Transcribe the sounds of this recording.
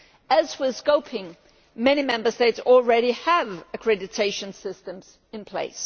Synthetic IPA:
əzwɪskoʊpʰɪ̃ŋ | mɛñimɛ̃mbə˞steɪtsl̩ˠɹɛɾiəvɨkʰɹ̥ɛɾɨtʰeɪʃɨ̃nsɪstə̃mz̥ | ɨ̃npʰl̥ḛɪs

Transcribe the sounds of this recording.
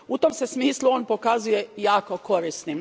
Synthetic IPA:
ut̪omsesmiːslˠuoːnpo̞kazuje̞jaːko̞ko̞ɾist̪nim

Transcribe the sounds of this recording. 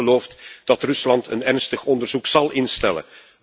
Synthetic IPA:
əloːftd̥ɑtrʏslɑntʰə̰nɛrnstəxɔndərzuksɑlˠʔɪnstɛlə̰

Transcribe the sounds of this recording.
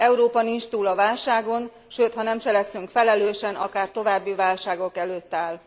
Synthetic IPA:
ɛuɾoːpɒnint͡ʃt̪uːlɒvaːlʃaːɡo̞n | ʃøːt̪hɒnɛmt͡ʃɛlɛksyŋkfɛlɛløːʃɛnɒ̰kaːrt̪o̞vaːbːivaːlʃaːɡo̞kɛløːt̪ːaːl

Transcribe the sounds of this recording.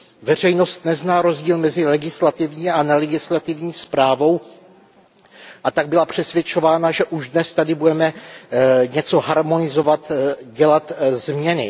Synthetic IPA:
vɛr̝ɛjno̞st̪nɛznaːɾo̞zɟiːlmɛzɪlɛɡɪslat̪ɪvɲiːanɛlɛɡɪslat̪ɪvɲiːspɾaːvo̞w | ʔat̪aɡ̚bɪlapr̝̥ɛsvjɛt͡ʃo̞vaːnaʒɛʔuʒdnɛst̪adɪbudɛmɛ | ɲɛt͡so̞ɦaɾmo̞nɪzovat̪ɟɛlat̪zmɲɛnɪ̰

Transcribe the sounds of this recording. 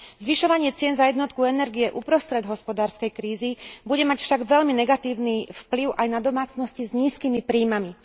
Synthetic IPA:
zʋiʃɔʋaɲɪɛt͡sɪɛnzajɛd̪nɔt̪̚kuɛnɛɾɡijɛʔupɾɔst̪ɾɛd̪ɦɔspɔd̪aːɾskɛjkɾiːzibuɟɛmacfʃaɡʋɛʎminɛɡat̪iːʊnifpliʊʔajnad̪ɔmaːt͡snɔscizɲiːskiːmipɾiːmami

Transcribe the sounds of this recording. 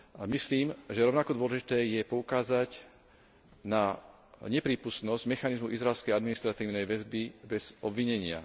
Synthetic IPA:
misliːmʒɛɾɔʊnakɔd̪ʊɔlɛʒit̪ɛːjɛpɔukaːzaɟ | na | ɲɛpɾiːpust̪nɔzɟmɛxanizmuʔizɾaɛlskɛjad̪minist̪ɾat̪iːʊnɛjʋɛzbibɛz̥ɔbʋiɲɛɲɪa̰

